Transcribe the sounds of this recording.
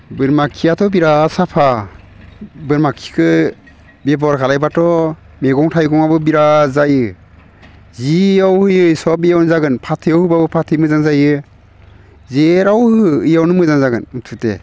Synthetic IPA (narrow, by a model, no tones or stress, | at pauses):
bɯɾmakʰijatʰɔbiɾasapʰa | bɯɾmakʰːi̥kʰɯ | bebɔɾkʰalajbatʰɔ | meɡɔŋtʰajɡɔŋabɯbiɾazajɯ | ziawhɯjɯisɔbijawnzaɡɯnpʰatʰɯjɔwhɯbabɯpʰatʰɯjmɯzaŋzajɯ | zeɾawhɯɯjawnɯmɯzaŋzaɡɯntʰute